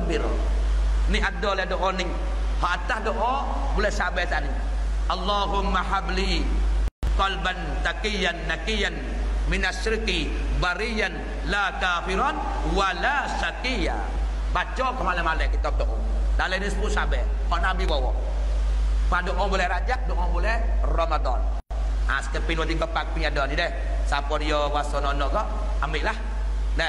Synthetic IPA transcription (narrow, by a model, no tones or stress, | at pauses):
biɾ̰ | niad̪ɔlɛhdɔʔɔnɪŋ | hɔʔat̪ahdɔʔɔ | bulɛhsabɛt̪anɪŋ | ʔɑlːaɦʊmːahabli | kɔlban | t̪akijanːakijan | mɪnasɪɾki | baɾijan | lakafiɾɔt̪̚ | walasakija̰ | bad͡ʒɔkɔmalɛmalɛkit̪ɔp̚dɔʔɔmdalɛnispusabɛ | kɔnabiwɔwɔʔ | padɔʔŋɔbolɛɾad͡ʒak̚dɔʔŋɔbolɛhrɔmad̪ɔn | ʔa̰skɛpinwat̪ikɔpak̚piɲadɔnidɛh | sapɔdijɔwasɔnɔnɔɡɔʔ | ambiʔlah | dɛ